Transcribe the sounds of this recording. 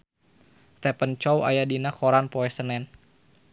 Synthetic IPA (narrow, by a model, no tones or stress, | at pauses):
st̪ɛpənt͡ʃɔwa̰jadinakɔɾanpɔɛsənɛn